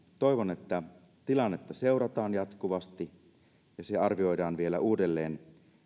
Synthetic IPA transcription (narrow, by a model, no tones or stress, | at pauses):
t̪o̞iʋonet̪ːæ | t̪ilɑnːet̪ːɑse̞wɾɑt̪ɑːnjɑt̪kuʋɑst̪i | jɑseɑrʋio̞jdɑːnʋielæʔuːde̞lːeːn